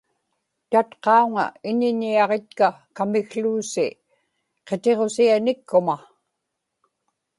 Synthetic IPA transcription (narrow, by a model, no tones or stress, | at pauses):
t̪at̪qɑuŋa̰ɪɲɪɲːiɑʁe̞t̪̚kakamɪɣɬluːsi | qe̞t̪e̞ʁo̞sianɪkːʊma